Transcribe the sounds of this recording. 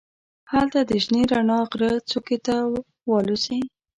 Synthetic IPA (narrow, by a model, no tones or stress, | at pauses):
halt̪ad̪əʒneɾanɑɣɾət͡suket̪a | wɑlusi